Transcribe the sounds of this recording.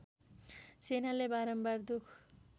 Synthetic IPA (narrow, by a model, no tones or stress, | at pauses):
senalebaɾʌmbard̪ukʰ